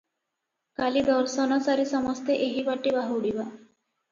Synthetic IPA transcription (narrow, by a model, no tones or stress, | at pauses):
kalid̪ɔɾsɔnɔsaɾisɔmɔst̪ʰeʔeɦibaʈːibaɦuwɽiba